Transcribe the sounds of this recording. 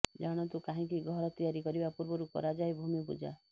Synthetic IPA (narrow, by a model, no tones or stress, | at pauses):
d͡ʒaɽ̃ɔt̪ukaɦĩkiɡʱɔɾɔt̪ijaɾikɔɾibapuɾbɔɾukɔ̰ɾad͡ʒajbʱumipṵd͡ʒa̰